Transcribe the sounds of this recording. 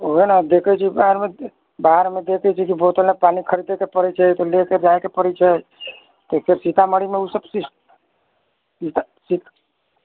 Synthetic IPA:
oɦnad̪ekʰət͡ʃʰibaɦɾme | baɦɾmed̪ekʰɛt͡ʃʰikibot̪əlepanikʰəɾid̪ekepəɾɛt͡ʃʰət̪ɔleked͡ʒajkepəɽɛt͡ʃʰə | t̪ɔpʰeɾsit̪aməɽimeusəbsi | it̪a | sit̪

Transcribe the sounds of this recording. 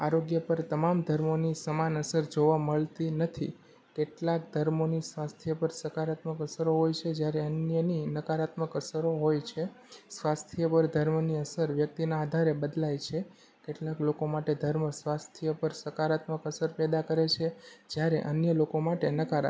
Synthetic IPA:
aɾoɡjəpəɾt̪əmamd̪ʱəɾmonisəmanəsəɾd͡ʒoʋaməɭt̪inət̪ʰi | keʈlakd̪ʱəɾmonisʋast̪ʰjəpəɾsəkaɾat̪məkəsɾoɦojt͡ʃʰed͡ʒjaɾeənjəninəkaɾat̪məkəsɾoɦojt͡ʃʰesʋast̪ʰijəpəɾd̪ʱəɾmniəsəɾʋjək̚t̪inaːd̪ʱaɾebəd̪lajt͡ʃʰe | keʈlaklokomaʈed̪ʱəɾməsʋast̪ʰijəpəɾsəkaɾat̪məkəsəɾpɛd̪akəɾet͡ʃʰed͡ʒjaɾḛʔənjəlokomaʈenəkaɾa̰

